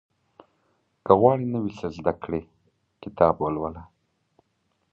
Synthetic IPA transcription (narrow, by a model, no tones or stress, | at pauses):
kəɣwɑɽinəwisəzd̪akɽe | kɪt̪ʰɑbwəlwəla